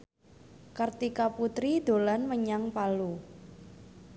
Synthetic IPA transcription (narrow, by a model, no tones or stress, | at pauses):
kərt̪ikaput̪ɾid̪̥o̤lanməɲaŋpalu